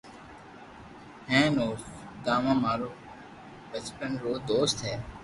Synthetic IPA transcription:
hẽːnoːs | d̪aːʋãːmaːɾoː | bəspəɳɾoːd̪oːst̪ɦɛː

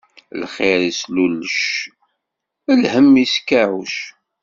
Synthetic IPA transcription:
lχeɾislulːəʃ | əlhəmːiskːæʕuʃ

